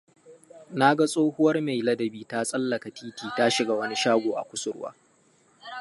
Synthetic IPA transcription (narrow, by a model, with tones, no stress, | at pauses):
na˦ɡa˦sʼoː˦hʊ˦wɐ˦rme˨jlɐ˦dɐ˨biː˦ta˦sʼɐ˦lːɐ˨ka˨tiː˦tiː˨ta˦ʃɪ˦ɡa˨wɐ˦ni˦ʃaː˦ɡʷoː˨ʔa̰˨kʷʊ˦sʊ˨ɾwa̰ː˦